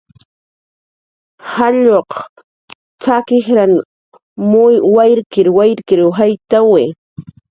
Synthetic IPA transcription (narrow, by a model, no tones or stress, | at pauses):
haʎoq | t͡sakɪxɾan | mʊwajɾkɪɾwajɾkɪɾxajt̪awɪ